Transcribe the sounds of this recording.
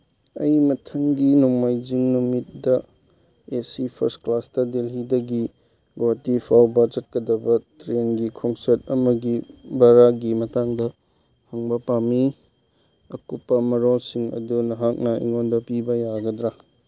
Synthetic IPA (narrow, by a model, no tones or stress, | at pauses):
ɐjmɐtʰɐŋɡinuŋmajd͡ʒiŋnumit̚dɐ | esipʰɐ̰ɾstklasdɐdelɦidɐɡi | ɡotipʰawbɐd͡ʒɐt̚kɐdɐbɐtɾenɡikʰoŋsɐt̚ɐmɐɡibaɾaɡimɐtaŋdɐ | hɐŋbɐpami | ɐkupːɐmɐɾolsiŋɐ̰dunɐɦak̚nɐḭŋondɐpibɐjaɡɐdɾa